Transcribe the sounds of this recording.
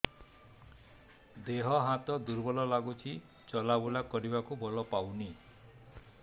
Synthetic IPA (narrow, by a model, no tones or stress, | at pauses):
d̪eɦɔɦat̪ɔd̪uɾbɔlɔlaɡut͡ʃʰi | t͡ʃɔlabulakɔɾibakubɔlɔpawni